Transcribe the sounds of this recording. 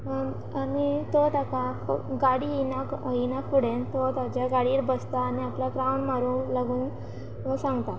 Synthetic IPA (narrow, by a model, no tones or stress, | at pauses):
anit̪ot̪akaɡaɽiinainakuɽ̤ent̪ot̪at͡ɕjaɡaɽiːɾbəst̪aːniaplaɡɾawɳmaɾuːlaɡuːn | əsãŋɡt̪a